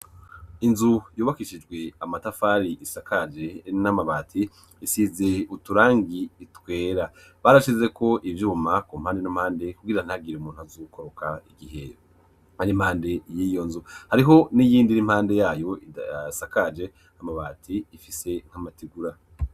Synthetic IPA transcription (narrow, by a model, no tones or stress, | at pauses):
inzujuːβakiʃid͡ʒɡwe̞amatafaɾiʔisakad͡ʒenamaβaːtʰiː | siːze̞utuɾaːŋɡiːtwe̞ːɾa | βaɾaʃize̞ko̞ʔivjuːmakum̥haːnde̞namhaːnde̞kuɡiɾan̥haɡiɾeumuːnhuazukʰo̞ɾokʰaiɡiɦe̞̰ | haɾim̥haːnde̞jiːjo̞nzuhaɾiɦo̞nijiːndiɾim̥haːnde̞jaːjo̞isakad͡ʒe̞ | amaβaːtʰiifise̞ŋ̥hamatiɡuɾa